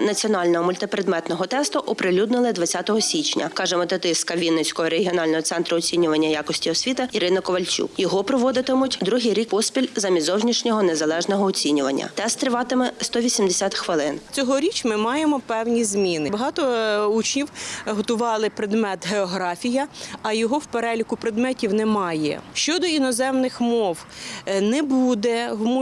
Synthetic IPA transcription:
nɐt͡sʲiɔnɑlʲnɔɦɔmʊlʲt̪ɪpɾed̪mɛt̪nɔɦɔt̪ɛst̪ʊʔɔpɾɪlʲud̪nɪlˠɪd̪ʋɐt͡sʲːat̪ɔɦɔsʲit͡ʃnʲɐ̰kɑʒɛmɐt̪ɛt̪ɪst̪kɐʋʲinet͡sʲkɔɦɔɾeɦʲiɔnɑlʲnɔɦɔt̪sɛnt̪ɾʊɔt͡sʲinʲʊʋɐnʲːɐjakɔsʲtʲiɔsʲʋʲit̪ɪiɾɪnɐkɔʋɐlʲt͡ʃʲṵkjɔɦɔpɾɔʋɔd̪ɪt̪ɪmʊtʲd̪ɾuɦɪjɾʲikɔspʲilʲzɐmʲizɔwʒnʲiʃnʲɔɦɔnezɐlˠɛʒnɔɦɔːt͡sʲinʲʊʋɐnʲːɐ̰t̪ɛst̪ɾɪʋɑt̪ɪmɛst̪ɔʋʲisʲimd̪esʲat̪xʋɪlˠɪnt͡sʲɔɦɔɾʲit͡ʃmɪmɑjemɔpɛwnʲizmʲinɪbɐɦɑt̪ɔut͡ʃnʲiwɦɔt̪ʊʋɑlˠɪpɾed̪mɛt̪ɦeɔɦɾɑfʲijɐɐjɔɦɔwpeɾɛlʲikʊpɾed̪mɛtʲiwnɛmɑjɛ̰ʃt͡ʃɔd̪ɔinɔzɛmnɪxmɔw | nɛbud̪ɛɦmu

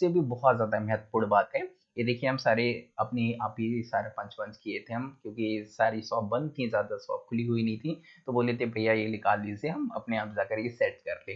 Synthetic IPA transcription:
sebʱibɔɦt̪zjaːd̪amɛɦət̪̚puːɽbaːt̪ɦɛ̃ː | jed̪eːkʰieɦɐmsaːɾeɐpneaːpisaːɾapɐ̃ɲt͡ʃpɐ̃ɲt͡ʃkiet̪ʰẽɦɐmkjõːkisaːɾisɔːp̚bɐ̃nd̪̚t̪ʰĩzjaːd̪asɔ̰ːp̚kʰʊliɦuinɐɦĩt̪ʰĩt̪oboːlet̪ẽbʱɐijajelɪkaːliseɦɐmɐ̰pneaːpd͡ʒaːkəɾjesɛːʈkɐɾleː

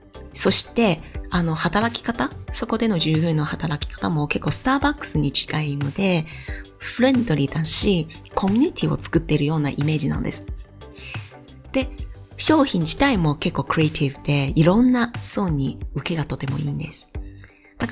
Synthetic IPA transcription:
so̞ɕi̥t̪e̞ano̞hat̪aɾakʲi̥kat̪aso̞ko̞d̪e̞no̞ʑɨːɡɯ̟̃nːo̞hat̪aɾakʲi̥kḁt̪amo̞ke̞kːo̞ːsɨ̥t̪aːbakːɯ̥sɨɲ̟it͡ɕi̥ɡaino̞d̪e̞ | ɸɯ̟ɾẽ̞nd̪o̞ɾʲiːd̪aɕi | kʰo̞mʲiɲ̟it̪ʲʰiːo̞̰t͡sɨ̥kɯ̟t̪ːe̞ɾɯ̟jo̞ːnaʔime̞ːd͡ʑinã̰no̰d̪e̞sɨ̥ | d̪̥e̞ | ɕo̞ːçĩɲ̟d͡ʑi̥t̪aimo̞ke̞kːo̞ːkɯ̟ɾet̪ʰibɯ̟d̪̥e̞iɾõ̞nːaso̞ːɲ̟iɯ̟ke̞ɡat̪o̞t̪e̞mo̞̰iːnd̪e̞sɨ̥ | d̪̥ak

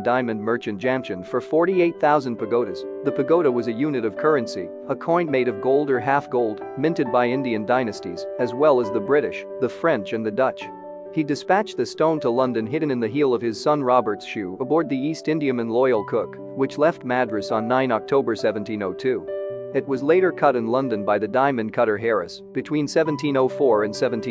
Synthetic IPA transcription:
dãɪ̃mɨ̃nmɜ˞t͡ʃɨ̃nd̥ʒ̥æ̃mʃɨ̃nfə˞fɔɹɾieɪt̪̚θaʊzɨ̃n̩pʰɨɡoʊɾɨz̥ | ðɨpʰɨɡoʊɾəwʌzɨjʉnɨɾʌv̥kʰɜ˞ɨ̃nsḭ | əkʰɔ̃ɪ̃nmeɪɾʌvɡoʊlˠdə˞ɦæfɡ̥oʊlˠd | mɪ̃ntɨd̚baɪɪ̃ndiɨ̃ndãɪ̃nɨstḭzɨzwɛlˠəzðɨbɹɪɾɨʃ | ðɨfɹɛ̃nt͡ʃɨ̃nðɨdʌt͡ʃ | hidɨspæt͡ʃðɨstõʊ̃ntʰəlʌ̃ndɨ̃nɦɪd̃ⁿn̩ɨ̃nðɨɦilˠʌv̥ɨz̥sʌ̃nɹɑbə˞tsʃʉəbɔɹd̪̚ðiistɪ̃ndiɨmɨ̃nlɔɪl̩ˠkʰʊk | wɨt͡ʃlɛft̚mædɹɨsn̩ːãɪ̃nɑk̚tʰoʊbə˞sɛṽn̩tʰĩnoʊtʰʉɨt̚wʌzleɪɾə˞kʰʌɾɨ̃nlʌ̃ndɨ̃nbaɪðɨdãɪ̃mɨ̃nkʰʌɾə˞ɦɛɹɨ̰s | b̥ɨtʰw̥ĩnsɛṽntʰĩnoʊfɔɹɨ̃nsɛvn̩tʰĩ

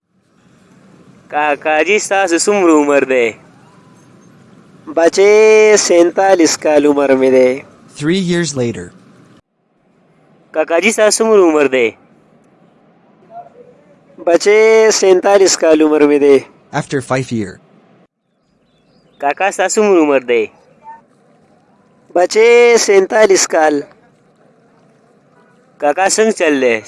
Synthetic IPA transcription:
kaːkaːd͡ʑist̪aːs̬usumɾumɐɾd̪eː | bɐt͡ʃesẽːnt̪aːliskaːlumɐɾmed̪eː | θɹijiɹzleɪɾə̰˞ | kaːkaːd͡ʑist̪aːsumɾumɐɾd̪eː | bɐt͡ʃesẽnt̪aːliskaːluməɾmed̪eː | æftə˞faɪvjiɹ | kakasasumɾuməɾd̪eː | bɐt͡ʃesẽnt̪aːliskaːl | kakasə̃ŋɡt͡ʃəlːe

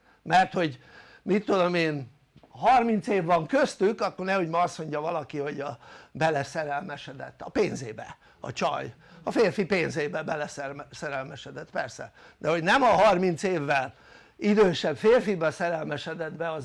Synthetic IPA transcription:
mɛrt̪ho̞ɟ | mit̪ːod̪o̞meːn | ɦɒrmint̪seːvːɒŋkøst̪ykɒkːornɛho̞ɟmɒɒsmo̞ɲɟɒvɒlɒkiho̞ɟɒbɛlɛsɛɾɛlmɛʃɛd̪ɛ̰t̪ːɒ̰peːnzeːbɛ̰ | ɒ̰t͡ʃɒ̰j | ɒfeːrfipeːnzeːbɛbɛlɛsɛsɛɾɛlmɛʃɛd̪ɛt̪pɛrsɛ̰ | d̪ɛɦo̞ɟnɛmɒɦɒrmint̪seːvːɛl | id̪øːʃɛbfeːrfibɛsɛɾɛlmɛʃɛd̪ɛd̪bɛɒz

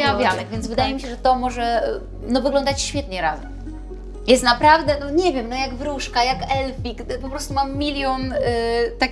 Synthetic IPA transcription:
avʲjanɛɡvʲjɛnd̪zvɘd̪ajɛmʲiɕɛʐɛt̪ɔmɔʐɛ | nɔvɘɡlɔnd̪at͡ɕɕfʲjɛt̪ɲɛɾazɛm | jɛst̪napɾavd̪ɛnɔɲɛvʲjɛmnɔjaɡvɾuʂkajakɛlfʲikpɔpɾɔst̪umamːʲilʲjɔnt̪akʲ

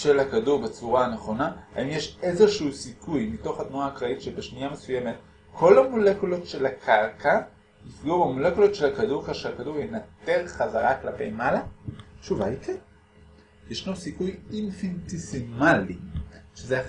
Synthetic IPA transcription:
ʃelhakaduʁbet͡suʁaneχo̞naha̰imjeʃezeʃuusikujmito̞χhatnuaːkʁaitʃebeʃnijamesujeme̞t | kʰo̞lhamolekulo̞tʃelakʰaʁka | nifɡobamolekulotʃelhakaduʁkaʃelakaduʁjenat̪e̞ʁχazaʁaklape̞̰jmalaʃuvaikʰen | jeʃnosikujinfintisimaliʃezea

